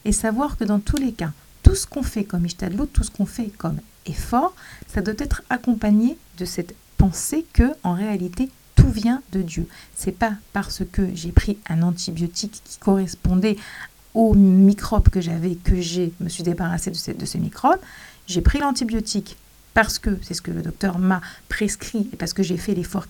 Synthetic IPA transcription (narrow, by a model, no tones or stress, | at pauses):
esavwaʁkəd̪ɑ̃t̪ʰuleka | t̪usə̥kɔ̃fɛkɔmiʃt̪ad̪lot̪ːusə̥kɔ̃fɛkɔm | efɔʁsad̪wat̪ɛt̪χakɔ̃paɲed̪əsɛt̪ | pɑ̃sekəɑ̃ʁealit̪e | t̪uvjɛ̃d̪əd̪jøsɛpapaʁsəkəʒepχiɛ̃nɑ̃t̪ʰibjot̪ikʰːi̥kɔʁɛspɔ̃d̪ɛ | omikχɔbkəʒavɛkəʒeməsɥid̪ebaʁased̪əsɛd̪əsəmḭkχɔbʒepχilɑ̃t̪ibjɔt̪ik | paʁsə̥kəsɛsə̥kələ̰d̪ɔk̚t̪œʁmapχeskχiepaʁsə̥kəʒefɛlefɔʁ